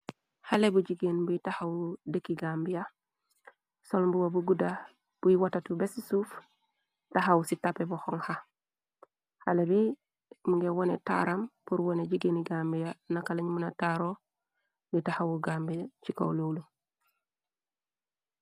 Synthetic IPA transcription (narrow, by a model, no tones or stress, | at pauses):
halebuɟiɡenbuitahawdekːiɡambija | solmbuwabuɡuda | b̥ujiwatatubesisuːf | taɦawsitapːebuxoŋha | halebi | muŋɡewonḛta̰ɾampuɾwoneɟiɡeniɡambijanakaleɲmunataɾo | bitahawuɡambit͡ʃika̰wlowlu